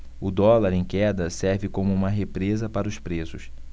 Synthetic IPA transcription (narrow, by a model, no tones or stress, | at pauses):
ʊd̪ɔlaɾẽj̃kɛd̪ɐsɛɾvɪkõmʊũmɐɦepɾezɐpaɾɐʊspɾesʊs